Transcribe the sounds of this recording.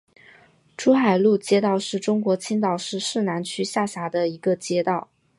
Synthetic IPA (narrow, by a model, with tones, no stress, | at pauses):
ʈ͡ʂʰu˥xa˨˩ɪlu˥˩t͡ɕjɛ˥t̪ɑ˥˧ʊʂɻ̩˥˩ʈ͡ʂʊ˥ŋkwɔ˧˥t͡ɕʰi˥ŋt̪ɑ˨˩ʊʂɻ̩˥˧ʂɻ̩˥˩na˧˥nt͡ɕʰy˥ɕja˥˩ɕja˧˥d̪ə˧i˧˥ɡə˧t͡ɕjɛ˥t̪ɑ˥˩ʊ